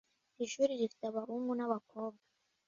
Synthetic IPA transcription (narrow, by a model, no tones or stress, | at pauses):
iʃuɾiɾifi̥taβaβumɡunaβako̞ːb̚ɡa